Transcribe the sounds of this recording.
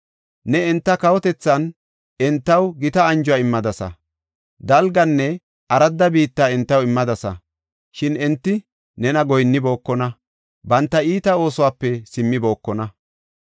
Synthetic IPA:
nɛɛnt̪ːɐkɐwɔt̪ɛt͡sːɐn | ɛnt̪ːɐwɡɪt̪ɐɐnd͡ʒʊwaɪmːɐd̪ɐsɐ̰ | d̪ɐlɡɐnːɛ | ɐɾɐd̪ːɐbiːt̪ːaːɛnt̪ːɐwɪmːɐd̪ɐsɐ̰ | ʃɪnɛnt̪ːɪ | nɛnɐɡɔjnːɪbo̞ːkːɔnɐ | bɐnt̪ːɐiːt̪ɐo̞ːsɔwaːpːɛsɪmːɪbo̞ːkːɔnɐ

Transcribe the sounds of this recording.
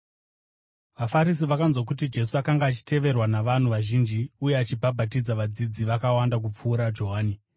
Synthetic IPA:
ʋafaɾis̬iʋakanzwok̬ut̬id͡ʒe̞suakaŋɡaːt͡ʃi̥te̞ʋe̞rwanaʋan̤uʋaʒind͡ʒiuje̞at͡ʃibʱabʱatid͡zaʋad͡zid͡ziʋakawandak̬up͡fuːɾad͡ʒo̞ɦaːni

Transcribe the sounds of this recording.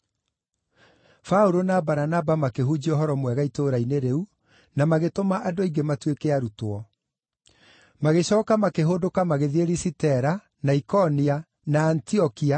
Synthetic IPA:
fauɾonabaɾanabamakeɦud͡ʑiɔɦɔɾɔmwɛɣaitoɾaineɾeu | namaɣetomaʔadoiɡematwekeaɾutoɔ | maɣeɕɔːkamakeɦoːdokamaɣeðieɾisitɛɾa | naikɔnia | naːntiɔkia

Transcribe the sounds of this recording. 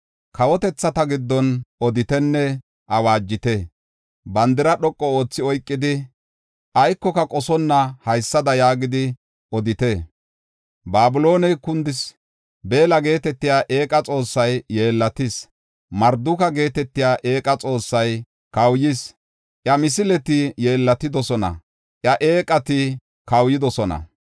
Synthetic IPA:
kʰɐwɔt̪ɛt͡sːɐt̪ɐɡɪd̪ːɔnʔɔd̪ɪt̪ɛnːɛ | ʔɐwaːd͡ʒːɪt̪ɛ | bɐnd̪ɪɾɐɗɔkʼːɔoːt͡sːɪɔjkʼːɪd̪ɪ | ʔɐjkːɔkɐkʼɔsɔnːɐhɐjsːɐd̪ɐjaːɡɪd̪ɪ | ɔd̪ɪt̪ɛ | baːbʊlo̞ːnɛjkʊnd̪ɪs | be̞ːlɐɡe̞ːt̪ɛt̪ːɪjaːʔe̞ːkʼɐt͡sʼo̞ːsːɐjːe̞ːlːɐt̪ɪs | mɐɾd̪ʊkɐɡe̞ːt̪ɛt̪ːɪjaːʔe̞ːkʼɐt͡sʼo̞ːsːɐj | kɐwjis | ʔjɐmɪs̬ɪlɛt̪ɪje̞ːlːɐt̪ɪd̪ɔsɔnɐ̰ | ʔjɐʔe̞ːkʼɐt̪ɪ | kɐwjɪd̪ɔsɔnɐ̰

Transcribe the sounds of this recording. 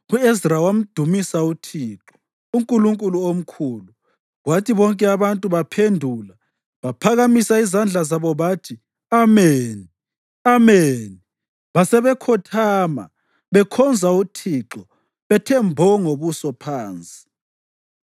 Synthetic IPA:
uezrawam̩d̥ʱumisautʰiːǁɔ | uŋkʼuluŋkʼuluom̩kʰuːlu | ɣwatʰiβɔŋkʼɛaβantʼuβapʰendʱuːla | βapʰaɣamisaizand͡ɮʱazaβɔβaːtʰi | ameːni | ameːni | βasɛβɛkʰɔtʰaːma̰ | βɛkʰɔnd͡zʱautʰiǁɔ | βɛtʰɛmbʱɔŋoβusɔpʰaːnt͡sʼi̥

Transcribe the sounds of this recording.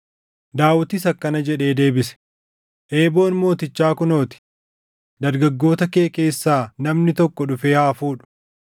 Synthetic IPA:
d̪aːwɐt̪ɪsɐkːɐnɐd͡ʒɛᶑe̞ːd̪e̞ːbɪsɛ̥ | ʔe̞ːbo̞ːnmo̞ːt̪ɪt͡ʃːaːkʊno̞ːt̪ɪ̥ | d̪ɐɾɡɐɡːo̞ːt̪ɐke̞ːke̞ːsːaːnɐmnɪt̪ɔkːɔᶑʊfe̞ːhaːfuːᶑʊ̥

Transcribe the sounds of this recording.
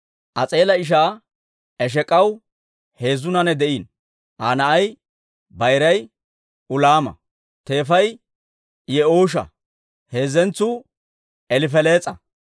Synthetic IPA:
ʔɐt͡sʼe̞ːlɐɪʃ̬aː | ɛʃ̬ɛkʼɐw | he̞ːzʊnɐnɛd̪ɛʔiːn | ʔaːnɐɐj | bɐjɾɐj | ʔʊlaːmɐ̰ | t̪e̞ːfɐj | jɛoːʃ̬ɐ̰ | heːzɛnt͡sːu | ɛlɪfɛle̞ːt͡sʼɐ

